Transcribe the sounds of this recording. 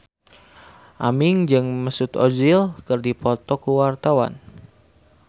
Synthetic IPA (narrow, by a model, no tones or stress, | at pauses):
ʔa̰mɪŋd͡ʒɨŋməsut̪o̰d͡ʒilkɨrdipɔt̪ɔkuwart̪awa̰n